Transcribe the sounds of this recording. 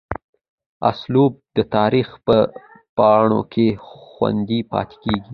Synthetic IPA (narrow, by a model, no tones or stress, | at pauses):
a̰slub̚d̪ət̪ɑɾixpə | pɑɳo̰kʰexwa̰nd̪ipɑ̰t̪e̥keɡi